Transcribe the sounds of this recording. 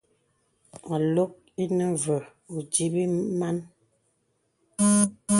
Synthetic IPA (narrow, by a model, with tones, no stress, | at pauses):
a˨lo˦k̚ | i˦nə˦və˨ | u˨d͡ʒi˦bi˦ma˦n